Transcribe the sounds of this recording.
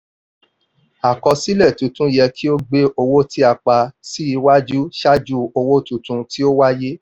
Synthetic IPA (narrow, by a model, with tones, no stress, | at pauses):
a˨kɔ˧si˦lɛ˦˨tũ˨tũ˦jɛ˧kʰi˦o˦ɡ͡be˦o˧wo˦ti˦a˧k͡pa˧si˦i˧wa˦d͡ʒu˦ʃa˦d͡ʒu˦o˧wo˦tũ˨tũ˧ti˦o˦wa˦je˦